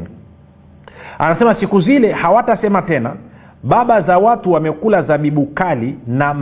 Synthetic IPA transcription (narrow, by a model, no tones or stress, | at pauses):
a̰nasɛmasikuzilɛhawatasɛmatɛna̰ | ɓaɓazawatuwamɛkulazaɓiɓukalinam